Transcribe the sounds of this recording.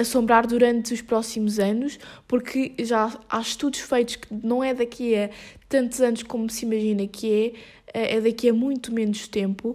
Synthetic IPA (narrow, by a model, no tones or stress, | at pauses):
ɐsõmbɾaɾðuɾɐ̃nt̪uʃpɾɔsimuzɐnuʃpuɾkʰɨʒaa̰ʃt̪uðuʃfɐjt̪u̥ʃkɨnɐ̃w̃ɛðɐkʰiɐt̪ɐ̃nt̪uzɐnuʃkomusimɐʒinɐkʰɨɛ | ɛʔɛðɐkiɐmũj̃t̪umenuʃt̪ẽmpu